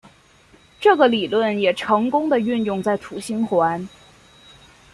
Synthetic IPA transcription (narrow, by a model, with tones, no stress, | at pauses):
ʈ͡ʂɤ˥˩ɡə˩li˨˩lwə˥˩njɛ˨˩ʈ͡ʂʰɤ˧˥ŋkʊ˥ŋd̪ə˨y˥˧njʊ˥˧ŋt͡sa˥˩ɪt̪ʰu˨˩ɕi˥nxwa˧˥n